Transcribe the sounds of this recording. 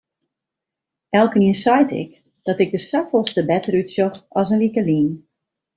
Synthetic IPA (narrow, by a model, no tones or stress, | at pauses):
ʔɛlˠkəniənsɔjtʰɪ̰k | d̥ɔtɪɡ̚dəsakfɔlˠstəbɛtəɾytsjoxɔsənlikəliːn